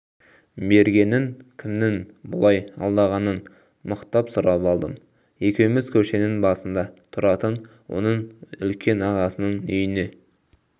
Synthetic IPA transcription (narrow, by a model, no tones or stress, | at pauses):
be̞ɾɡʲe̞nɪŋkʲʰɪmnɪŋbʊ̰lˠɑjɑ̰lˠd̪ɑʁɑnən | məqt̪ɑpsʊɾɑpɑlˠd̪ə̰m | je̞kʲe̞wɪmɪzkʲʰɵʃenɪŋbɑsənd̪ɑt̪ʰʊɾɑt̪ən | wo̞̰nəɴʏlkʲe̞nɑʁɑsənəɴʏjɪne̞